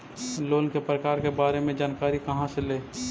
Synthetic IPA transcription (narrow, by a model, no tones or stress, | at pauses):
loːnkepɾəkaːɾkebaːɾemẽd͡ʒaːnkaːɾikəɦãseleː